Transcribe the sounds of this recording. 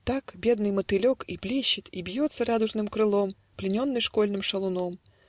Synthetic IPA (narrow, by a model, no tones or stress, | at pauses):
t̪akbʲed̪nɨjmət̪ɨlʲokiblʲeɕːɪt̪ʲibʲjot̪səɾad̪ʊʐnɨmkɾɨlˠom | plʲɪnʲonːɨjʂkolʲnɨmʂɐlˠʊnom